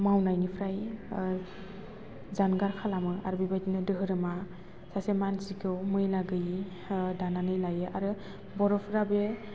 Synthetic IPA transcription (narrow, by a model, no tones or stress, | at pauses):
mawnajnipʰɾaj | zanɡaɾkʰalamɯaɾɯbibajtinɯdɯɦɯɾɯma | sasemansikʰɯwmɯjlaɡɯji | dananɯjlajɯʔaɾɯ | bɔɾɔpʰɾabe